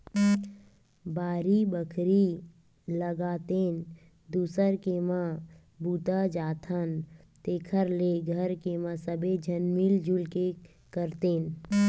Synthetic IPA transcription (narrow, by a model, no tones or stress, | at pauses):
baːɾibəkʰɾi | ləɡaːt̪eːn | d̪uːsəɾkemã | buːt̪ad͡ʒaːt̪ʰən | t̪eːkʰəɾleɡʱəɾkemãsəbed͡ʒʱənmild͡ʒulke | kəɾt̪eːn